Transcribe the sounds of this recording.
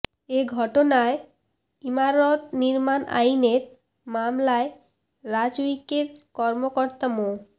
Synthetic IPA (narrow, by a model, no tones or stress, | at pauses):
eɡʱɔʈonae | imaɾot̪niɾmanʔa̰jneɾ | mamlae | ɾad͡ʑuikeɾkɔɾmokɔɾt̪amo